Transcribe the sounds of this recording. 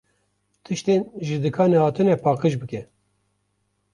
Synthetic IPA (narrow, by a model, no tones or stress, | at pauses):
t̪ʰɨʃt̪enʒɨd̪ɨkʰɑːnɛhɑːt̪ʰɨnɛpʰɑːqɨʃbɨkʲɛ